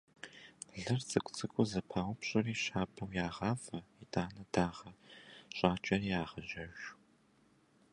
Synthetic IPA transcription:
ɮɨrt͡sʼɨkʷʼt͡sʰʼɨkʷʼʊzɐpʰaːwʷʊpɕʼɐriːʃaːpʰʼɐwjaːʁɑːfɐitʰʼaːnɐdaːʁɐɕʼaːt͡ʃʼɐriːaːʁɐʒɐʒʷ

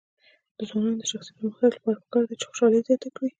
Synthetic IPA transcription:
d̪̥əzwɑnɑnod̪əʃaxsit̪əməxalapɑɽapə̥kɑɾd̪at͡ʃe̥xʊ̥ʃɑlezjɑt̪akɽi

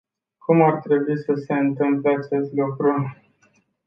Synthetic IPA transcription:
kʰumart̪ɾe̞buisəse̞ɨnt̪lɨmpleat͡ʃe̞st̪lukɾu

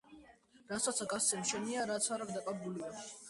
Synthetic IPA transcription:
ɾasat̪sʰakʼasɛmʃʰɛniaɾat̪sʰaɾaɡd̪akʼaɾbulia

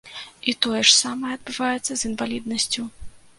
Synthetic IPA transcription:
it̪ɔjɛʂsamɐjɛɐd̪̚bɨvajɛt̪sːɐzinvalʲid̪nɐsʲt͡sʲu

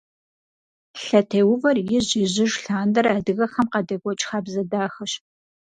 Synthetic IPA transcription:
ɬɐtʰeːwʊvɐrjɪʑɪʑɪʒɬaːndɐraːdɨɣɐxɐmqɐdɐɡʷɔt͡ʃʼxaːbzɐdaːxɐɕ

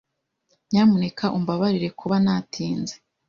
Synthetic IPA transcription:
ɲaːmune̞kʰaʔumbaβaɾiɾe̞kʰuβanatʰiːnze

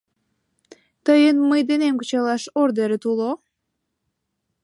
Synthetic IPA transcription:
t̪əjənməjd̪enemkut͡ɕɑlɑʃord̪eɾet̪ulo

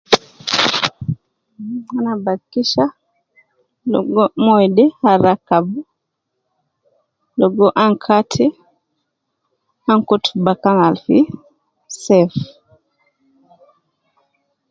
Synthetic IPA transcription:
anabakiʃa | lɔ̰ɡɔmɔjdɛhaɾakabu | lɔɡɔʔaŋkʰatʰi | aŋkutubakanalfi | sɛf

